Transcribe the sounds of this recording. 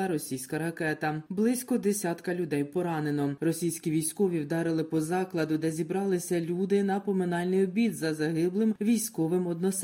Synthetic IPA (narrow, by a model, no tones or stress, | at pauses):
ɐɾɔsʲijsʲkɐɾɐkɛt̪ɐblˠɪsʲkɔd̪esʲɑt̪kɐlʲʊd̪ɛjpɔɾɑnenɔrɔsʲijsʲkʲiʋʲijsʲkɔʋʲiwd̪ɑɾɪlˠɪpɔzɑklˠɐd̪ʊd̪ɛzʲibɾɑlˠɪsʲɐlʲud̪ɪnɐpɔmɪnɑlʲnɪjɔbʲid̪zɐzɐɦɪblˠɪmʋʲijsʲkɔʋɪmɔd̪nɔs